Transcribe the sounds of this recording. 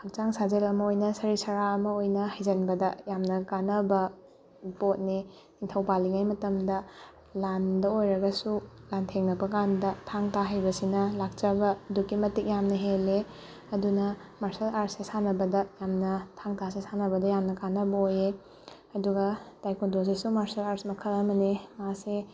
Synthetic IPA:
hɐk̚t͡ʃaŋsazelɐmɐojnɐsɐɾisɐɾaɐmɐojnɐɦɐjzɐnbɐdɐjamnɐkanɐbɐ | ɾipot̚ni | intʰɐwpaliŋajmɐtɐmdɐ | landɐojɾɐɡɐsulantʰeŋnɐbɐkandɐtʰaŋtʰaɦajbɐsinɐlak̚t͡ʃɐbɐdukːimɐtik̚jamnɐɦele | ɐdunɐ | maɾsɐlaɾsesanɐbɐdɐjamnɐtʰaŋtʰasesanɐbɐdɐjamnɐkanɐbɐoje | ɐduɡɐd̥ajkundos̬esumaɾsɐlaɾsmɐkʰɐɾɐmɐnimase

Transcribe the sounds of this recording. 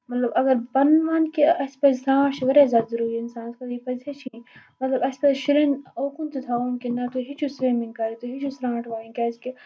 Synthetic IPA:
mɐt̪lɐbɐɡɐɾbɐnʋaːnkiɐspɐzsɾãːʈʋɐɾeːzaːd̪zɐɾuːɾiɪnsãːnskɐt̪ipɐzet͡ʃʰimɐt̪lɐbɐspɐzʃiɾenoːkunt̪ut̪ʰaoːnkinɐt̪oɦit͡ʃʰusɾeːmiŋɡkɐɾit̪oɦit͡ʃʰusɾãːʈʰʋaːĩŋkɐːske

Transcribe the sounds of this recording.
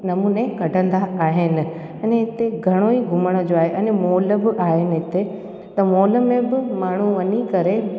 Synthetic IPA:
nɐmuːnekɐʈə̃nd̪aaːɦɪnɪ̆ | ɐ̃nɦɪt̪eɡʱɐɽ̃oiɡʱʊməɽ̃ʊ̆d͡ʑoaːɦeʔɐ̃nmoːləbɪʔaːɦɪnɪ̆ɦɪt̪e | t̪ɐmoːlə̆mẽbɪmaːɳ̤uʋɐɲikɐɾe

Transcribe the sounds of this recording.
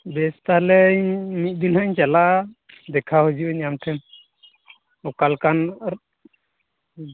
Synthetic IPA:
bɛst̪alɛɲmit̪̚d̪inɦaiɲt͡ʃalaʔ | d̪ɛkʰaɦud͡ʒiʔuɲamʈʰɛm | ɔkalkan

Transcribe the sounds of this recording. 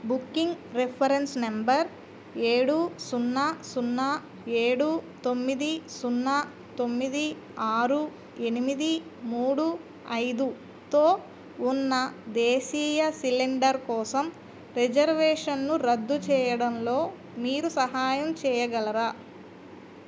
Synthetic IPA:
bukːiŋɡɾepʰɐɾensnembɐɾ | eːɽusunːɐsunːɐ | eːɽut̪o̞mːid̪isunːɐ | t̪o̞mːid̪i | aːɾu | e̞nimid̪imuːɽu | ɐjd̪u | t̪o̞ː | unːɐd̪eːʃiːjɐsiliɳɖɐɾkɔːsɐm | ɾed͡ʒɐɾʋɛːʂɐnːuɾɐd̪ːut͡ʃɛːjɐɽɐmlo̞ː | miːɾusɐɦaːjɐmt͡ʃɛːjɐɡɐlɐɾaː

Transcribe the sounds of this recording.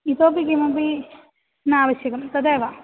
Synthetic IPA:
it̪oːpikimɐpi | nɨaːʋɐɕjɐkɐmt̪ɐd̪eːʋa

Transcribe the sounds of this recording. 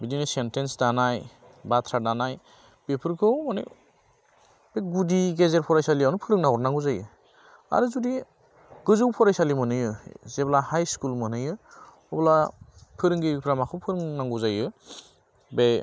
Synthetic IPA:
bidinɯsentensdanaj | batʰɾadanaj | b̥epʰɯɾkʰɯmɔnḛ | b̥eɡudiɡezeɾpʰɔɾajsaliawnupʰɯɾɯŋnaŋɔɾnaŋɡuzajɯ | a̰ɾɯzudi | ɡɯzɯwpʰɔɾajsalimɯnɯjɯzeblahajskulmɯnɯjɯ | ɔblapʰɯɾɯŋɡipʰɾamakʰɯwpʰɯɾɯŋnaŋɡuzajɯ | be

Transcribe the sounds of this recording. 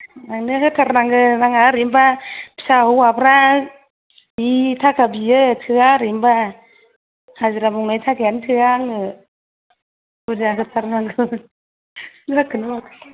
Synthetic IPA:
naŋnɯakɯtʰaɾnaŋɯnaŋaɾimbapi̥sauwapʰɾa | bitʰakabiɯtʰɯaɾimba | haziɾamuŋnatʰaɡɛntʰɯaŋɯ | budakɯtʰaɾnaŋɡɯ | sɯakʰɯnu

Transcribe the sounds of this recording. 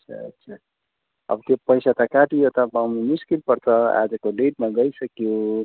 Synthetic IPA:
ʌsʰa̰ʌ̰sʰa | ʌ̰bʌt̪jopʌjsat̪ʌkaʈijot̪ʌbawmimiskilpʌɾt͡sʰʌa̰d͡zʌkoɖeʈ̚maɡʌjsʌkjo

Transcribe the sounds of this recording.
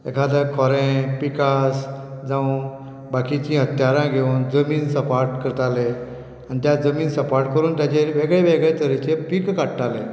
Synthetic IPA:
ḛkʰad̪əkʰɔɾẽpikasd͡zãw̃ | bakit͡ɕĩːɦət̪jaɾãɡʱeund͡zəmiːnsəpaɾʈkəɾt̪ale | anit̪jad͡zəmiːnsəpaɾʈkəɾuːnt̪jat͡ɕeʋeɡɭeʋeɡɭet̪əɾit͡ɕepikkaʈʈ̪alẽ

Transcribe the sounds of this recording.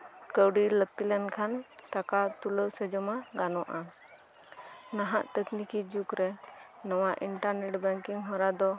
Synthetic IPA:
kəwɖilək̚t̪ilɛnkʰanʈakat̪uləwsɛd͡ʒɔmaɡanɔʔa | naɦa̰ʔt̪ɛknikid͡ʒukɾɛ | nɔwaʔiɳʈaɾnɛʈbɛŋkiŋɦɔɾad̪ɔ

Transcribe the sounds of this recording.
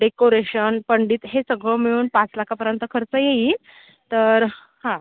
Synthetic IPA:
ɖekoɾeɕənpəɳɖiːt̪ɦesəɡɭəmiɭuːnpat͡slakʰapəɾjənt̪əkʰəɾt͡səjei | t̪əɾ | hã

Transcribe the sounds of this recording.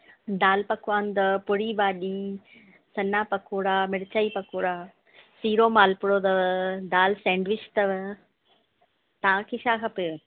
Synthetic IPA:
d̪aːlpɐkʰʊʋaːnd̪ɐpʊɽibaːɗiː | sɐnapɐkʰoːɽaːmɪɽt͡ɕaːipɐkʰoːɽaː | siːɾoːmaːlpʊɽod̪ɐʋd̪aːlsɛ̃ːɳɖʋɪt͡ɕt̪ɐʋ | t̪ɐʋãkʰeːʃaːkʰɐpɪ

